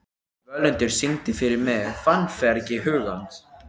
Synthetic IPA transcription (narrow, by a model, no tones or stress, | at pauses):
vœlɛnt̪ɪɾ̥siŋt̪ɪfɪɾɪɾmɛfanfɛɾcɪɦʏːɣant̪